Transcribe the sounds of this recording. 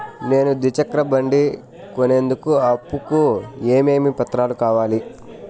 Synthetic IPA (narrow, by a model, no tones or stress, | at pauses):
ne̞ːnud̪it͡ʃɐkɾɐbɐɳɖi | kone̞ːnd̪ukuɐpːukue̞ːme̞ːmipɐt̪ːɾaːlukaːʋaːli